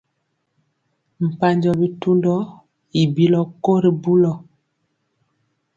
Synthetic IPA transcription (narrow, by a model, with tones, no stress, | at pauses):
m̩˨pa˦ɲd͡ʒɔ˦bi˦tu˦ndɔ˦ | i˨bi˦lɔ˦ko˦ɾi˨bu˦lɔ˨